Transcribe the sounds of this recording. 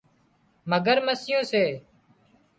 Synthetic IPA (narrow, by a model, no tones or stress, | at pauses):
məɡəɾməsɪjõːseː